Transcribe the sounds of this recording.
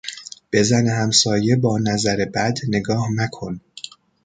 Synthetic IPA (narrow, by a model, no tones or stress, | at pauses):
b̥e̞zæneɦæmsɒːje̞bɒːnæzæɾe̞bæd̪ne̞ɡɒːhnækʰo̞n